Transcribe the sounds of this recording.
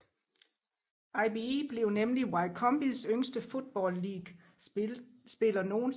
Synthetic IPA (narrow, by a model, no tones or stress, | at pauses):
ɑɪb̥iib̥le̝ʊnemliwɑ̈ɪkʰɒ̽mb̥isøŋ̰sd̥əfod̥̚b̥ɒ̰ːlːiːɡ̥ | sb̥e̝lɐno̝ːn̩